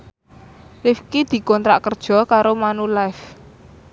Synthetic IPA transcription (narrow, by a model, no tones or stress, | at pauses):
lifkid̪̥i̤kɔnt̪ɾa̰ʔkərd̥ʒ̥ɔ̤kaɾomanulajf